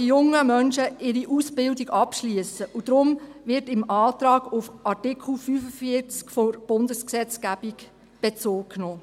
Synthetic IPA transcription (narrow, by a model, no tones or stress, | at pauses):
ijʊŋːəmœnʃəɪɾiʔusbɪldiɡɑpʃliəsəʔud̥ɾʊmʋɪɾtɪmɑːt̪ɾɑːɡ̥ʊfɑrtɪkʰl̩fyːfəfiət͡skforb̥ʊndəsksɛt͡skæb̥ik | b̥et͡soːkkːnoː